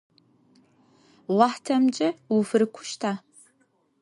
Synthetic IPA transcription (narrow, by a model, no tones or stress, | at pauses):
wʷɑħtʰɐmt͡ʃʼɐwufɨɾɨkʷʰʊʃtʰaː